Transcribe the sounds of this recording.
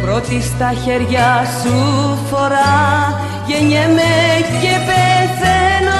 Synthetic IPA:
pɾot̪ist̪ɐçeɾʝɐsufo̞ɾɐ | ʝeɲemecepeθeno

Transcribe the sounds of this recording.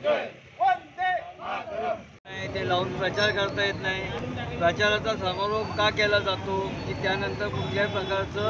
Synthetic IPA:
naɦit̪elaunpɾət͡ɕaɾkəɾt̪ajet̪naɦipɾət͡ɕaɾat͡sasəmaɾoɡkakɛlad͡zat̪okiːt̪janənt̪əɾkuʈljapɾəkaɾt͡səː

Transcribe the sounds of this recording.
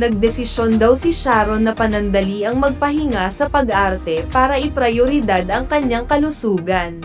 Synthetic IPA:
nɐɡ̚d̪ɛsɪʃjond̪ɐwsɪʃaːɾonːɐpɐnɐnd̪ɐliʔɐŋmɐɡ̚pɐɦɪŋasɐpɐɡʔaɾt̪ɛpaːɾɐʔɪpɾɐjoɾɪd̪ad̪ɐŋkɐɲːaŋkɐlʊsuːɡɐn

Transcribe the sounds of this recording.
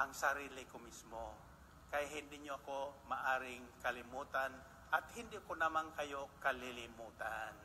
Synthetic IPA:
ʔɐŋsɐɾiːlɪkomismo | kɐjaɦɪnd̪ɪɲoɐko̞mɐʔaːɾɪŋkɐlɪmuːt̪an | ʔɐt̪̚hɪnd̪ɪʔkonɐmankɐjokɐlɪlɪmuːt̪an

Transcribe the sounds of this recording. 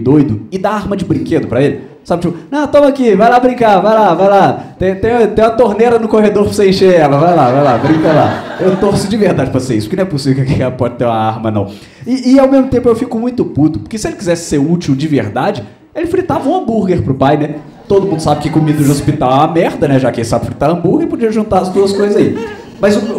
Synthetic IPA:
d̪ojd̪ʊɪd̪aaɾmɐd͡ʒɪbɾĩked̪ʊpɾɐelɪ | sabɪt͡ʃipʊnɐ̃w̃t̪õmɐkivajlabɾĩŋkavajlavajlat̪ẽj̃t̪ẽj̃t̪ẽj̃ũɐt̪oɾneɾɐnʊkohed̪oɾposẽẽʃeɛlɐvajlavajlabɾĩŋkɐla̰ewt̪oɾsʊd͡ʒɪveɾd̪ad͡ʒɪpɾɐseisʊ̥pʊ̥kɪnɐ̃ɛpʊsivewkakekɛlɐpɔd͡ʒɪt̪eɾũmɐaɾmɐnɐ̰̃w̃ | ɪːawmezmʊt̪ẽmpʊewfikʊmũj̃t̪ʊput̪ʊpʊ̥ɾkesɪelɪkizɛsɪ̥seɾut͡ʃiwd͡ʒɪveɾd̪ad͡ʒɪ | elɪfɾit̪avɐũɐ̃buɾɡeɾpɾʊpajnɛ | t̪od̪ʊmũnd̪ʊsabɪkɪkomid̪ʊd͡ʒɪospit̪awɛɐmɛɾd̪ɐnɛʒakɪelɪsabɪfɾit̪aɾɐ̃buɾɡeɾɪpod͡ʒiɐʒũnt̪aɾɐzd̪uɐskojzɐzai | mɐjzʊ

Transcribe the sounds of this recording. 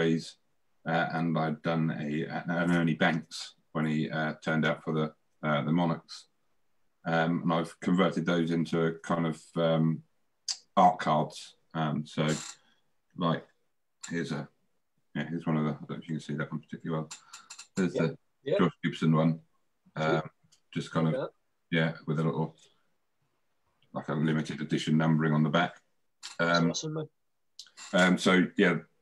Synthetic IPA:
iz̥ | ʌʔə̃naɪvdʌ̃nə̰ə̰nə̃nɜnibæ̃ŋks | wə̃niʌtʰɜ̃ːndaʊtfəðə | ʌðəmɒnəks | ʌ̃mə̃naɪv̥kʰə̃ɱvɜˑtɪd̪̚ðəʊzɪ̃ntʰukʰãɪ̃ndəv̥ʌ̃m | ɑˑʔkʰɑːdz̥ | ʌ̃msoʊ | laɪk̚ | hɪəzə | jæhɪzwʌ̃nəvðəaɪdə̃ʊnfjəkə̃nsiːðəʔwʌ̃npʰə̥tʰɪkjlˠəwɛlˠhəzðə̥ | ɔsʉˑpsə̃nwʌ̃n | ʌ̃m̥ | d͡ʒ̥ʌskʰãɪ̃ndəv | jæwɪðəlɪ̰ʔl̩ˠ | laɪkəlɪmɪtɪdədɪʃə̃nːʌ̃mbəɹɪ̃ŋə̃nðəbak | ʌ̃m | ʌ̃msoʊjæ

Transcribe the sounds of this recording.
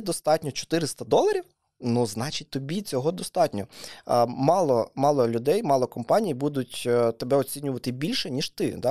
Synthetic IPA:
d̪ɔst̪ɑtʲnʲɔt͡ʃɔ̥t̪ɪɾɪst̪ɐd̪ɔlˠɐɾʲiw | nuznɑt͡ʃitʲt̪ɔbʲit͡sʲɔɦɔd̪ɔst̪ɑtʲnʲɔ | mɑlˠɔmɑlˠɔlʲʊd̪ɛjmɑlˠɔkɔmpɑnʲijibud̪ʊtʲt̪ebɛɔt͡sʲinʲʊʋɐt̪ɪbʲilʲʃɛnʲiʃt̪ɪ̰d̪ɑ

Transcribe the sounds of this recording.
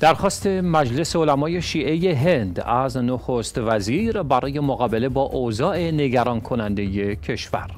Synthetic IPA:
d̪̥æɾxɒːst̪ʰemæd͡ʒle̞seolæmɒːje̞ʃiːʔe̞je̞ɦe̞nd̪æznoxost̪væziːɾbæɾɒːje̞moɣɒːbe̞le̞bɒːʔozɒːʔe̞ne̞ɡæɾɒːnkʰonænd̪e̞je̞cʰe̞ʃvæ̰ɾ

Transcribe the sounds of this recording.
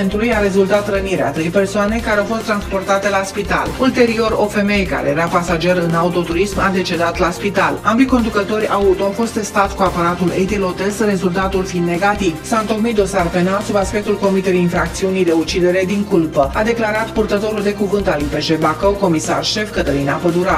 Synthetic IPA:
nt̪ɾujaɾe̞zult̪at̪rəniɾea̰t̪ɾejpe̞rsoane̞kaɾeawfo̞st̪ɾanspo̞rt̪at̪e̞laspit̪a̰lult̪e̞ɾio̞ɾo̞fe̞me̞jka̰ɾe̞jeɾapasad͡ʒe̞ɾɨnaut̪o̞t̪uɾismad̪e̞t͡ʃe̞d̪at̪laspit̪alambiko̞nd̪ukət̪o̞ɾʲaut̪oafo̞st̪e̞st̪at̪sʲkuapaɾat̪ulejt̪ilo̞t̪esre̞zult̪at̪ulfind̪neɡat̪ivsaɨnt̪o̞kmit̪̚d̪o̞sarpe̞nalsubaspe̞k̚t̪ulko̞mit̪eleinfɾak̚t̪siunijd̪e̞ut͡ʃid̪e̞ɾe̞d̪iŋkulpəad̪e̞klaɾat̪purt̪ət̪o̞ɾuld̪e̞kuvɨnt̪alujpe̞ʒe̞bakowko̞misa̰rʃe̞fkət̪əlinapəd̪uɾa

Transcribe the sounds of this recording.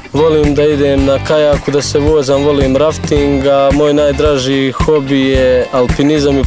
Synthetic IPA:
ʋo̞liːmd̪aid̪eːmnakajaːkud̪aseʋoːzamʋo̞liːmɾaft̪iŋɡamo̞ːjnaːjd̪ɾaʒiːxo̞bijealpinizami

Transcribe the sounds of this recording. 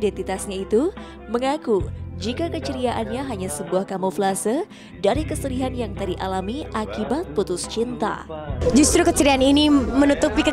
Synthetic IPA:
dɛnt̪it̪asɲait̪u | məŋakud͡ʒikakət͡ʃəɾiaʔanɲaɦaɲasəbuahkamoflasə | daɾikəsəɾiɦanjaŋt̪adiʔa̰lamiʔakibat̪̚put̪ʊst͡ʃint̪a̰d͡ʒust̪ɾukət͡ʃəɾianinimənut̪upikə

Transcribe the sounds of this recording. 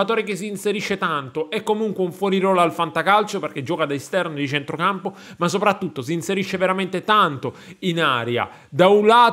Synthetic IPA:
at̪ɔːɾek̟es̬iːnseɾiʃːet̪ant̪oɛkːomuŋkweuɱfwɔːɾiɾɔːlalfant̪akalt͡ʃoperk̟ed͡ʒːɔːkad̪aest̪ɛrnod̪it͡ʃɛnt̪ɾokampo | mas̬ːopɾat̪ːut̪ːos̬iːnseɾiʃːeveɾamɛnt̪et̪ant̪o | inaːɾja̰ | d̪aulaː

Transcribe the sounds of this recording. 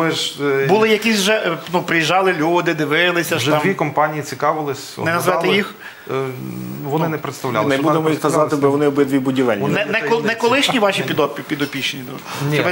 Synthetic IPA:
ɛʒbʊlˠɪjɐkʲisʲwʒɛnupɾɪjiʒɑlˠɪlʲud̪ɪd̪ɪʋɪlˠɪsʲɐʃɛɑmʋikɔmpɑnʲijit͡sʲikɑʋɪlˠɪsʲnɛnɐzʋɛt̪ɪjix | ʋɔnɪnɛpɾet̪st̪ɐʋlʲa̰lˠnɛbud̪emɔjixnɐzɑt̪ɪbɪʋɔnɪɔbɪd̪ʋʲibʊdʲiʋɛlʲnnɛnɛɔnɛkɔlˠɪʃnʲiʋɑʃipʲid̪ɔpʲpʲid̪ɔpʲiʃenʲid̪ʲt͡ʃɔʋɪ

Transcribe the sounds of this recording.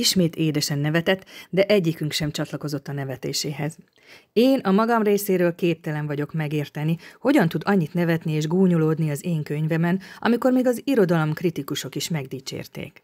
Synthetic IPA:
iʃmeːt̪ʰeːd̪ɛʃɛnːɛvɛt̪ɛt̪ːd̪ɛʔɛɟːikyŋkʃɛmt͡ʃɒt̪lɒko̞zo̞t̪ːɒnɛvɛt̪eːʃeːɦɛz | eːnɒmɒɡɒmreːseːɾøːlkeːp̚t̪ɛlɛɱvɒɟo̞kmɛɡeːrt̪ɛniho̞ɟɒnt̪ud̪ɒɲːit̪nɛvɛt̪nieːʒɡuːɲoloːd̪niɒzeːŋkøɲvɛmɛnɒ̰miko̞rmiːɡɒziɾo̞d̪ɒlomkrit̪ikuʃo̞kiʃmɛɡd̪iːt͡ʃḛːrt̪ḛːk

